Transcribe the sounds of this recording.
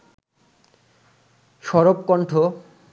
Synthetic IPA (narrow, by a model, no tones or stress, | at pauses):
ʃɔɾopkɔɳʈʰo